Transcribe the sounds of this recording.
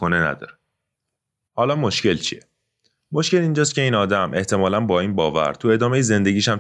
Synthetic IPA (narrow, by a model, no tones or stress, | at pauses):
onenæ̰d̪ɒ̰ːɾe | hɒːlɒːmo̞ʃce̞lt͡ʃʰḭe | mo̞ʃkce̞lind͡ʒɒːs̬t̪cʰʲe̞iːnɒːd̪æmʔe̞ht̪ʰe̞mɒːlænbɒːiːnbɒːvæ̰ɾt̪ʰue̞d̪ɒːmejeze̞nd̪eɟʲiːʃæm